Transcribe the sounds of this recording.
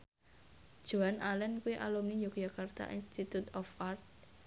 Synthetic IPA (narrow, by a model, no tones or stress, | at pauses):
d͡ʒ̥oanalɛnkuiʔa̰lumnid͡ʒokd͡ʒakart̪a̰ʔinst̪it̪ut̪ɔfart̪̚